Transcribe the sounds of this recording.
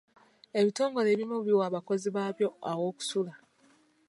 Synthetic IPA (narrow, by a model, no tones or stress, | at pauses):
e̞βito̞ːŋɡo̞le̞ːβimoβjwaːβako̞ziβaːβjo̞awo̞ːku̥sula